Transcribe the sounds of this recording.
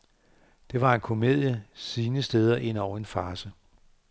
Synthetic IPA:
d̥e̝ʋɑ̈e̝nkʰo̝me̝ð̰ˠjəsiːnəsd̥eːð̞ˠɐʔe̝n̰ɒʊ̰ɐe̝nfɑ̈ːsə

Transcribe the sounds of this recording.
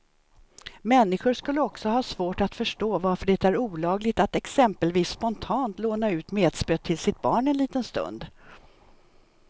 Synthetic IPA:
mɛnːɪɧʊɾʂkɵlːəɔksɔɦɑːsvoːʈat̪fœʂʈoːvaɾfœɖɛt̪æɾuːlɑːɡlɪɡ̚t̪at̪ɛksɛmpəlviːsːpɔnt̪ʰɑːnt̪loːnaʉ̟ːt̪meːd̪spøːt̪ʰːɪlsɪt̪̚bɑːɳɛnliːt̪ənst̪ɵ̰nd̪

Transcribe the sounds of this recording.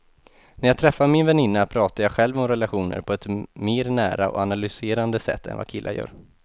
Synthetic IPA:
næɾjaɡt̪ʰɾɛfːaɾmɪnvɛnɪnːapʰɾɑːt̪ajaːɡɧɛlvɔmɾɛlaɧuːnə̰ɾpʰɔɛt̪meːɾnæ̰ːɾaɔ̰analʏseːɾand̪əsɛ̰t̪ʰːɛ̰nva̰kʰɪlːʔa̰jœ̰ːɾ

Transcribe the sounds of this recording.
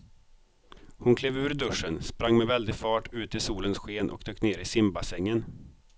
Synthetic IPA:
hʊnkʰleːvʉ̟ːɾd̪ɵʂənspɾaŋːmɛvɛld̪ɪɡfɑːʈʰʉ̟ːt̪ɪsuːlənsɧeːnʔɔ̰kd̪øːkneːɾɪsɪmbasɛŋːən

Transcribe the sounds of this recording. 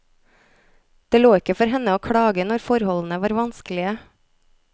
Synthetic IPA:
d̪̥eːloːɪkəfɔɾɦɛnəoːkʰɽɑːɡənɔɾfɔɾhɔln̩əʋɑːɾʋɑnskəlɪə

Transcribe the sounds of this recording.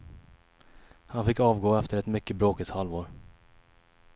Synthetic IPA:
hanfɪkːɑːvɡoːɛft̪əɾɛt̪mʏkːəbɾoːkət̪halvoːɾ

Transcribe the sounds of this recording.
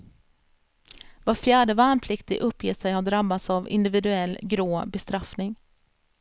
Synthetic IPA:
vaɾfjæːɖəvaːnpʰlɪkt̪ɪʔɵpːjeːt̪sɛjhad̪ɾabːat̪savɪ̰nd̪ɪvɪd̪ɵɛlːɡɾoːbɛst̪ɾafnɪŋ

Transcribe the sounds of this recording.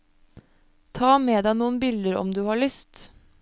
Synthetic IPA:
t̪ʰɑːmeːd̪æɪnuːənbɪld̪əɾɔ̰md̪ʉːhɑːɭʏst̪

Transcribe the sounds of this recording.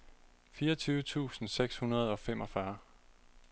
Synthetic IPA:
fiːɐɒt͡sʰyːʊət͡sʰṵːsn̩seɡ̥shunɐð̞ˠɒ̽fem̰ɒ̽fɶɐ

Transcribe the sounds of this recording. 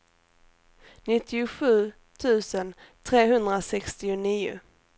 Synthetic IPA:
nɪt̪ʰːɪʊɧʉ̟ː | t̪ʰʉ̟ːsənt̪ʰɾeːɦɵnd̪ɾasɛkst̪ɪʊniːʊ̰

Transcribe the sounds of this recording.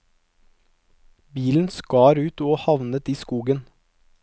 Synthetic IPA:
biːln̩skɑːɾʉːt̪oːhɑʋnət̪iːskuːɡən

